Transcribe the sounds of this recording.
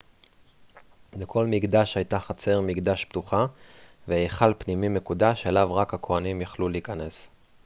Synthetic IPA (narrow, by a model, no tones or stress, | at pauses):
bekʰo̞lmiɡd̪aʃhajt̪aχat͡se̞ʁmiɡd̪aʃpt̪uχaveeχalpnimime̞kud̪aʃelavʁakhakʰo̞animjaχluleikane̞s